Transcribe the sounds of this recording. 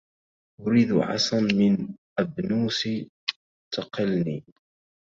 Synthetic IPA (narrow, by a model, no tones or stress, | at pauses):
ʔʊɾiːd̪ʕɑ̰sˤɑnmɪnʔəbnuːsi | t̪ɑqəlni